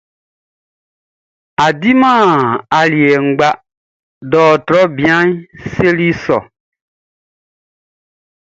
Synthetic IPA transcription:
a˨di˦mãː˦˨a˨li˨e˨ŋ̩˨ɡ͡ba˦ | dɔː˨tɾɔ˦bĩ˨ã˦ɲ˦se˦li˦sɔ̰˨

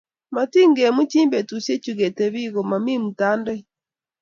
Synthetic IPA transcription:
ma˨ti˦ŋɡe˨mu˦t͡ʃi˦mbɛ˨tu˨se˦t͡ʃu˨ɣɛ˨tɛ˨βi˦ɣo˨ma˨mi˦mu˨ta˦ndɛ˦

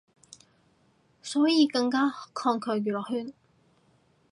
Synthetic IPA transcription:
sɔː˨˥jiː˨˧kɐ˧ŋkaː˥kʰɔː˧ŋkʰœː˨˧jyː˨lɔː˨˩hyː˥˩n

